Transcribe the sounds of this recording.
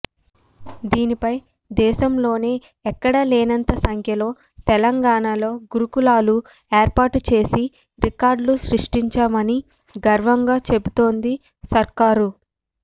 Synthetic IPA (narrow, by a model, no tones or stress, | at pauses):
d̪iːnipɐj | d̪ɛːʃɐmlo̞ːne̞ː | ɛkːɐɽɐleːnɐnt̪ɐsɐŋkʰjɐlo̞ː | t̪ɛlɐŋɡaːɳalo̞ːɡuɾukulaːlu | eːɾpaːʈut͡ʃe̞ːsi | ɾikaːɾɖluʃɾiʂʈiɲt͡ʃaːmɐni | ɡɐɾʋɐŋɡaːt͡ʃe̞but̪o̞ːnd̪i | sɐɾkaːɾu